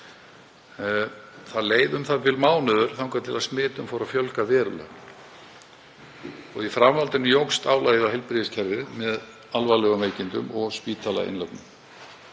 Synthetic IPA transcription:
θaðleːjðʏmθaðvɪlmaːwnœðʏɾ̥θawŋkat̪ʰɪlaðsmɪːt̪ʏmfawɾaðfjœlkavɛːɾʏlœ̰ɣ | ɔɣifɾamvalt̪ɪnʏjowkst̪aːwlajɪðaɦɛlpɾɪðɪscʰɛɾðɪmɛð | alvalœːɣameːjcɪnt̪ʏ̰mɔɣspiːt̪ʰaːla̰ɪ̰nlawp̪nʏm

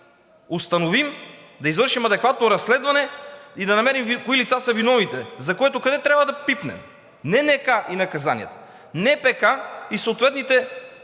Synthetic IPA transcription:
ost̪ɐnovimd̪ɐizvɤɾʃimɐd̪ɛkvat̪noɾɐsːlɛd̪vɐnɛid̪ɐnɐmɛɾimvkoilit̪sasɐvinɔvit̪ɛzɐkoɛt̪okɐd̪ɛt̪ɾʲabvɐd̪ɐpipnɛ̰m | nɛnɛkaʔinɐkɐzanḭəɛ̰t̪ə̥ | nɛpɛkaisoːt̪vɛt̪nit̪ɛ

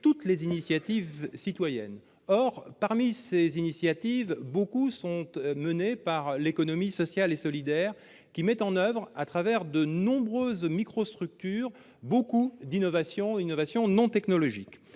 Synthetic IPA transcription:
t̪ut̪lezinisjat̪ivsit̪wajɛ̰n | ɔʁpaʁmisezinisjat̪ivbokusɔ̃t̪mənepaʁlekɔnɔmisɔsjalesɔlid̪ɛʁ | kʲimɛt̪ɑ̃nœvʁat̪χavɛʁd̪ənɔ̃bʁøzmikχost̪χyk̚t̪yːʁ | bokud̪inɔvasjɔ̃inɔvasjɔ̃nɔ̃t̪ɛknɔlɔʒik

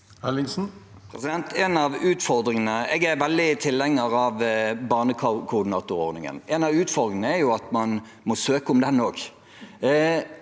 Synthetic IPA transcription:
hɛlːɪŋsn̩ | pʰɛsɪd̪ɛnt̪ʰɛnɑʋʉːt̪fɔɾd̪ɾɪŋənəɛɡæɾʋɛld̪ɪt̪ʰɪlːɛŋːəɾɑʋbɑːʁnəkʰkʰʊʁd̪ɪnɑ̰ːt̪ʊɾo̰ːɾd̪ɪŋə̰nɛnɑʋʉːt̪fɔɾd̪ɪŋənəæɾjʊɑt̪mɑn | mɔsøːkəʊmd̪ɛnːoːk

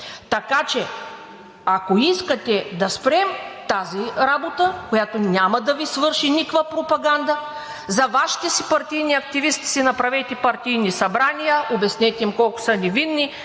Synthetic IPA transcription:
t̪ɐkat͡ʃɛ | akoiskət̪ʲɛd̪ɐspɾɛmt̪aziɾabot̪əkojat̪onʲamɐd̪ɐvisvɤɾʃinikvapɾopɐɡand̪ə | zɐvaʃi̥t̪ɛsipɐɾt̪ijniɐk̚t̪ivist̪i̥sinɐpɾavɛjt̪ɛpɐɾt̪ijnisɐbɾanijəʔobɛsnɛt̪ɛimkɔlˠkʊ̥sɐnɛvinːi

